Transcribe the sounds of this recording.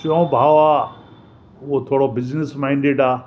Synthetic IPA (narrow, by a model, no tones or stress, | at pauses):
t͡ʃõːbʱaːa | ot̪ʰoːɽobɪznɪsmãĩɳɖeːɖaː